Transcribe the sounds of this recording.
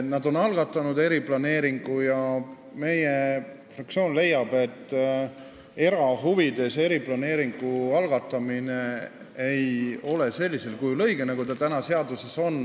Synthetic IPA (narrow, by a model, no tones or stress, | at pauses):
nɑd̪o̞nɑlɡ̥ɑt̪ːˑɑnud̪e̞ɾiplɑne̞ːɾiŋɡ̥ujɑ | me̞je | frɑk̚t̪sio̞ːnle̞jːɑb̥e̞t̪ː | e̞ɾɑɦuvid̪̥e̞se̞ɾiplɑne̞ːɾiŋɡ̥uɑlɡ̥ɑt̪ːˑɑmine | ejo̞le̞se̞lʲːise̞lkujlɤ̞jɡenɑɡud̪elt̪ænɑse̞ɑd̪use̞so̞n